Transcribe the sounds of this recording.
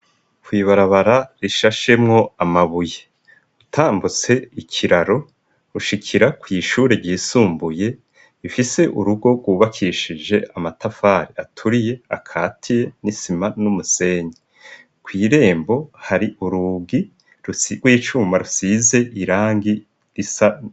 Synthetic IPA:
kwiːβaɾaβaɾaɾiʃaʃe̞mŋo̞amaβuje | utʰaːmbut͡se̞ikʰiɾaɾo̞ | uʃikʰiɾakwiːʃuːɾe̞ɾɟiːsuːmbuje̞ | ifise̞ʔuɾuɡo̞ɡɡwuːβakʰiʃid͡ʒe̞amatafaːɾiatʰuɾije̞akʰaːtʰije̞nisimanumuse̞ːɲe | kwiːɾe̞ːmbo̞haɾiʔuɾuɡi | ɾuɡ̥wiːt͡ʃuːmaɾusize̞ʔiɾaːŋɡi | ɾisa

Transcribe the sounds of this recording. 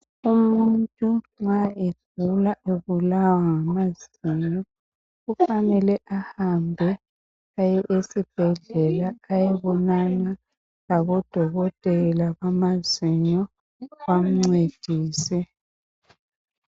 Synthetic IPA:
umuntʼuŋ͡ǁŋ͡ǀaeɮ | ulaʔeβulawaŋamaz̥iɲɔ | ɣufanɛlɛʔahambʱɛ | ajɛʔesib̥ʱɛɮɛlaːjɛβɔnana | laβɔd̥ʱɔɣɔtʼɛlaβamaziɲɔ | wam̩ŋ͡ǀed̥ʱiːsɛ

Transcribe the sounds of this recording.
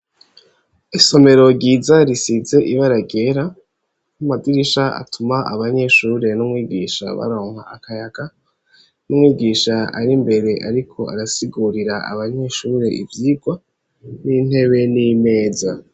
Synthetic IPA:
iso̞me̞ɾo̞ɟiːzaɾisize̞ʔiβaɾaɡe̞ɾa | namadiɾiʃaʔa̰tʰumaa̰βaɲe̞ʃuːɾe̞numŋwiːɡiːʃa̰βa̰ɾo̞ːŋ̥ha̰akajaɡa | numwiːɡiːʃaa̰ɾimbe̞ɾe̞ʔaɾikʰo̞a̰ɾasiɡuɾiɾaa̰βaɲe̞ʃuːɾe̞ʔḭvjiːɡwa | nin̥he̞βe̞nime̞ːza

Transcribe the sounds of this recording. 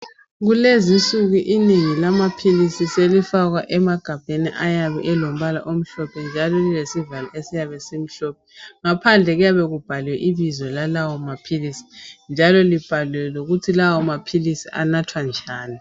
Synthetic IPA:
ɣulezisʼuɣuʔineŋilamapʰilisiselifaɣwaʔɛmaɡ̥ʱab̥ʱenḭʔajaβɛ̰ʔɛlom̩βala̰ʔom̩ɬɔpʰɛnd͡ʒʱalɔlilesivalaʔesijaβɛsem̩ɬɔp̚ʰɛŋapʰand͡ɮʱɛɣujaβɛɣub̥ʱalwɛʔiβizɔlalawɔmapʰilisi̥nd͡ʒʱalɔlib̥ʱalwɛloɣutʰilawɔmapʰilisiʔanatʰwand͡ʒʱaːni

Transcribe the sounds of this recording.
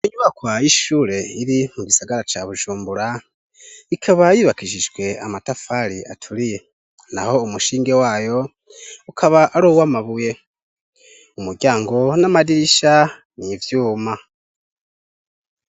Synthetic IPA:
iɲuβakwaiʃuːɾe̞iɾimuɡisaɡaɾat͡ʃaβuʒuːmbuɾa | ikʰaβajiβakiʒiʒɡwe̞a̰matafaɾiʔa̰tʰuɾije̞ | na̰ho̞umuʃiːŋɡe̞waːjo̞ | ukʰaβaʔːɾuːwamaβuje̞ | umuɾɟaːŋɡo̞namadiɾiʃa | nivjuːma

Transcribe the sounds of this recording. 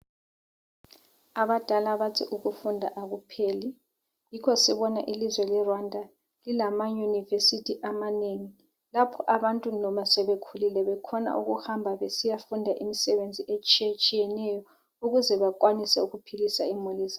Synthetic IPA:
aβad̥ʱalaβatʰiʔuɣufundʱa̰ʔaɣupʰeːli | jikʰɔsiβɔnaʔilizwɛlɛrwandʱa | lilamajunivesitʰiʔamaneŋi | lapʰɔʔaɓantʼunɔmasɛβekʰulilɛβɛkʰɔna̰ʔṵɣuhambʱaβesijafundʱaʔimisɛβend͡zʱiʔet͡ʃʼit͡ʃʼijɛnɛjɔ | uɣuzɛβakwanisɛuɣupʰilisaimuliːzḁ

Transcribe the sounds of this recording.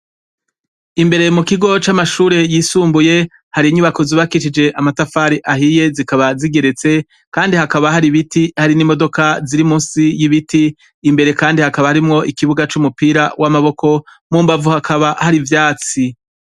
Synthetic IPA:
imbe̞ɾe̞mukiɡo̞t͡ʃamaʃuːɾe̞jiːsuːmbuje̞ | haɾiɲuβako̞ziβakiʃid͡ʒe̞ʔamatafaɾiʔaɦije̞zikaβaziɡe̞ɾe̞t͡se̞ | kaːndihakaβaɦaɾiβitihaɾinimo̞do̞kaziɾimuːnsijiβitiː | mbe̞ɾe̞kaːndihakaβahaɾimŋo̞ʔikiβuɡat͡ʃumupiːɾawʔamaβo̞kʰo̞ | muːmbavuhakʰaβahaɾivjaːt͡si

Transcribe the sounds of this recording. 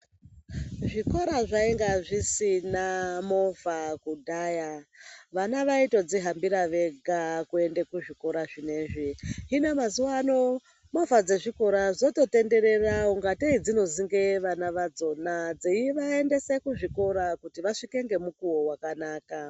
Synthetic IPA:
ʐiko̞ɾaʐaeŋɡaʐisinamo̞vakudʱaːjaʋanaʋaito̞d͡ziɦambiɾaʋe̞ɡʱakue̞nde̞kuʐiko̞ɾaʐine̞ʐiɦinomazuwano̞ | mo̞vad͡ze̞ʐiko̞ɾazo̞to̞te̞nde̞ɾe̞raoŋɡateid͡zino̞ziŋɡe̞ʋanaʋad͡zo̞nad͡ziiʋae̞nde̞sekuʐiko̞ɾakutiʋaʂike̞ŋɡe̞mukuwowakanaːka

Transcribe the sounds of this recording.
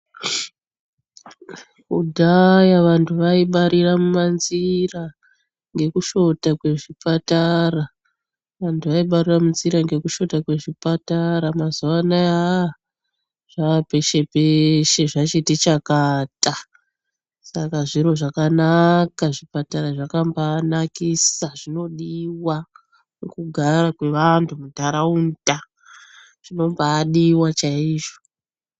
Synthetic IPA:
kudʱajaʋantʰuʋaiɓaɾiramumanzira | ŋɡe̞kuʃo̞takwe̞ʐipatara | ʋantʰuʋaiɓariramunziɾaŋɡe̞kuʃo̞takwe̞ʐipataɾamazuʋanaa | ʐ̥aʋape̞ʃe̞peʃe̞ʐat͡ʃitit͡ʃakata | sakaʐiɾo̞ʐakanakaʐipataɾaʐakambanakisaʐ̥ino̞ɗiwa | nukuɡʱaɾakweʋantʰumutaɾaunta | ʐ̥ino̞mbaːɗiwat͡ʃaiːʐo̞

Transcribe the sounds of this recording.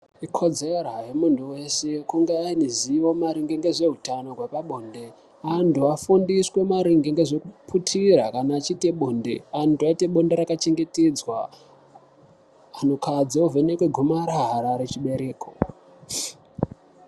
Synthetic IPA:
ikʰo̞d͡zerajemuntʰuwe̞se̞kuŋɡeainiziʋo̞maɾiŋɡeŋɡe̞ʐe̞ɦutano̞ɡwepaɓoːnde̞ | antuafundiswe̞maɾiŋɡeŋɡe̞ʐekupʰutʰirakanaːt͡ʃite̞ɓoːndḛantuaite̞ɓonde̞ɾakat͡ʃe̞ŋɡe̞ted͡zwa | anokʰad͡ziove̞nekwe̞ɡʱumaɾaɦɾaɾet͡ʃiɓe̞ɾe̞ːkʰo̰

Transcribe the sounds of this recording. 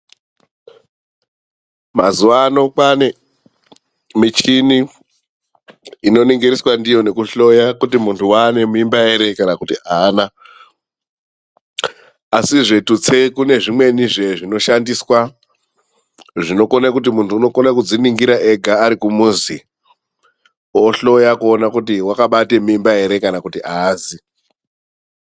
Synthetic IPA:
mazuʋano̞kwane | mit͡ʃini | no̞niŋɡiɾiswandijo̞ne̞kuɬo̞jakutimuntʰuwane̞muimbaiɾe̞kanakutiaːna | siʐe̞tut͡se̞kune̞ʐimwe̞niʐe̞ʐino̞ʃandiswa | ʐino̞konek̬ut̬imuntʰuːno̞konakud͡ziniŋɡiɾaʔeɡʱaːɾikumuzi | oɬo̞jakuonakut̬iwakaɓate̞muːmbae̞ɾe̞kanakutiʔaːzi

